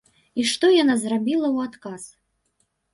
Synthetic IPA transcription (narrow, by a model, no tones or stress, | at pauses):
iʂt̪ɔjanazrabʲilˠɐwat̪kas